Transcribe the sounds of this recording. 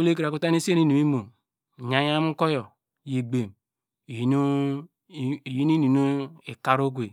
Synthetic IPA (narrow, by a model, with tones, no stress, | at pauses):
o˦le˦ki˨ɾa˨ku˦ta˦ni˦si˦e˦ni˦nu˨i˦mu˨ | ɲa˨ja˦m̩˦ko˦jo˨ | ji˨ɡ͡be˨m˨˦ | n˦˨ | ji˦ni˦ni˨no˦e˨ka˨ɾo˦ɡʷe˨